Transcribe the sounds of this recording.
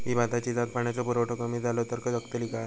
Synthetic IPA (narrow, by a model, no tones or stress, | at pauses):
ɦibat̪at͡ɕid͡zat̪̚paɳjat͡sɔpuɾoʈʰokamid͡zalot̪əɾkəəkt̪əliɡa